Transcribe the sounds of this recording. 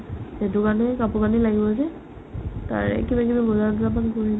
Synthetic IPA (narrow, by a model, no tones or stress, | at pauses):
etʊkanɛkapukanilaɡibɔas̬ɛ | ta̰ɹɛ̰kibakibaɡɔzat̬ɔtapankoɹin